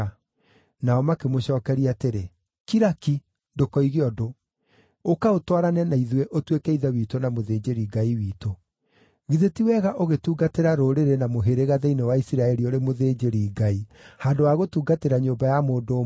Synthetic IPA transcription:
naɔmakemoɕɔːkɛɾiateɾe | kiɾaki | ndokɔiɣeɔdo | okaotwaɾanɛnaiðweʔotwekɛiðɛwiːtonamoðeːd͡ʑeɾiɡaiwiːto | ɣiðetiwɛɣaʔoɣetuːɡateɾaɾoɾeɾenamoɦeɾeɣaðɛinewaisiɾaɛɾioɾemoðeːd͡ʑeɾiːɡaihandowaɣotuːɡateɾaɲoːbajamoːdo

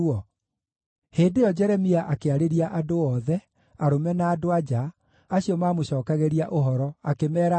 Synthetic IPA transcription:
ɔ | heːdeɔd͡ʒɛɾɛmiaʔakeaɾeɾiaʔadoɔːðɛ | aɾomɛnaːdoad͡ʑa | aɕiɔmaːmoɕɔːkaɣeɾiaʔoɦɔɾɔakemɛːɾa

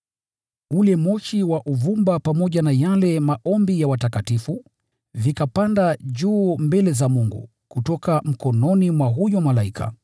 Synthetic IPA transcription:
ulɛmɔʃiwaʔuvumbapamɔʄanajalɛmaʔɔmbijawatakatifu | vikapandaʄuːmbɛlɛzamuŋɡṵ | kutɔkam̩kɔnɔnimwaɦujɔmalaikʰa̰

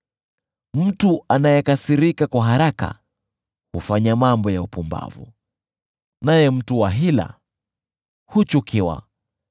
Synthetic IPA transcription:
m̩tuanajɛkasiɾikakwaɦaɾaka̰ | hufaɲamambɔjaupumba̰vṵ | najɛm̩tuwaɦila̰ | hut͡ʃukʰiwa̰

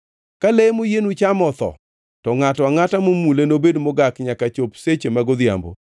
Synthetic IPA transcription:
kalemojenut͡ʃamɔt̪ɔ̰ | tɔŋatɔaŋatamomulenobedmɔɡakɲakat͡ʃopset͡ʃemaɡɔd̪ja̰mbo̰

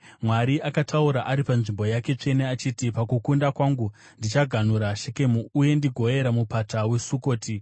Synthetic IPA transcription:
mwaɾiʔakatʰauɾaʔaɾipanʐimbo̞jake̞t͡ʂe̞neat͡ʃiːtipakukundakwaŋɡu | ndit͡ʃaɡʱan̤uɾaʃeke̞muːje̞ndiɡʱo̞je̞ɾamupatawe̞suko̞ːtʰi

